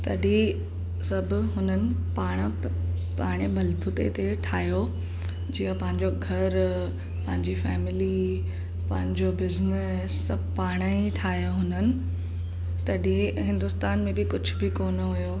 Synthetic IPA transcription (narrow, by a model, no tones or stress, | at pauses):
t̪ɐɗi | sɐbʱʊ̆ɦʊnənɪ̆ | paːɽ̃ | paːɽ̃ebɐlbʱʊt̪ḛt̪eʈʰaːjo | d͡ʑiːəpɐ̃ɦɪ̃ɲd͡ʑoɡʱɐɾ | pɐ̃ɦɪ̃ɲd͡ʑifɛːmɪli | pɐ̃ɦɪ̃ɲd͡ʑobɪznɪ | sɐ | paːɽ̃əiʈʰaːjoɦʊnənɪ̆ | t̪ɐɗĩɦɪ̃nd̪ʊst̪aːnmẽbɪkʊd͡ʑʱʊbɪkoːnɦʊjoː